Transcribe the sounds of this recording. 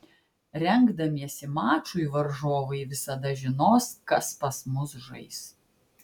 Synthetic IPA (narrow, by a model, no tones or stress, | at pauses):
ɾʲɛŋɡd̪ɐmʲiɛsʲɪmɑːt͡ʃujʋɐɾʒoːʋɐɪʋʲɪsɐd̪ɐʒʲɪnoːskɐspɐsmʊsʒɐ̰ɪs